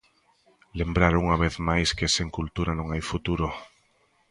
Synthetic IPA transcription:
lembɾaɾuŋaβ̞eθmajskeseŋkult̪uɾanõŋajfut̪uɾo

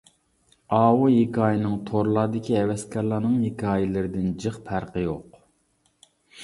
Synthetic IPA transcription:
ɑːwujekʲɑːjinɨŋt̪ʰoɾlˠɑːd̪ɪkʲʰiɛwɛskʲʰɛɾlˠɑːnɨŋjekʲɑɑːjɪlɪɾɪd̪ɪnd͡ʒɨχpʰæɾqəjoq

